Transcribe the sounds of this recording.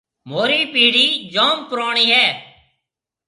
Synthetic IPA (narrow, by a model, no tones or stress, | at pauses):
moːɾiːpiːɽiːd͡ʒoːmpɾoːɳ̃iːɦɛː